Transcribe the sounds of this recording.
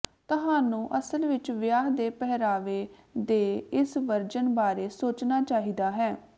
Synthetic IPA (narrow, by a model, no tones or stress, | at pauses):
t̪əɦaːnũːʔəsəlʋɪt͡ʃʋjaːɦd̪eːpɛɦɾaːʋeː | d̪eːɪsʋəɾd͡ʒənbaːɾeːsoːt͡ʃnaːt͡ʃaːɦiːd̪aːɦɛː